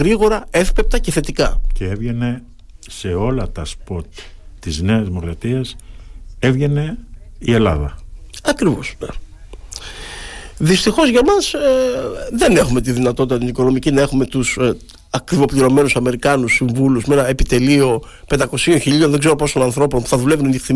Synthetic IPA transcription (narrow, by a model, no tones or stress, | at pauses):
ɣɾiɣo̞ɾɐe̞fpep̚t̪ɐce̞θe̞t̪ikɐceevʝe̞ne̞ | se̞o̞lɐt̪ɐspot̪ːizne̞ɐzmoɾðɐt̪iɐs | evʝene̞ | ie̞lɐ̰ðɐɐkɾivo̞sne | ðist̪ixo̞zʝɐmɐs | ðe̞ne̞xume̞t̪̬iðinɐt̪o̞t̪it̪ɐt̪iniko̞no̞micinɐe̞xume̞t̪us | ɐkɾivo̞pliɾo̞me̞nusɐme̞ɾikɐnusiɱvuluzmee̞nɐepit̪e̞lio̞ | pend̪ɐko̞sio̞nçiʎio̞nðeɡzeɾo̞po̞sonɐnθɾo̞po̞npu̥θɐðulevunɐnixθi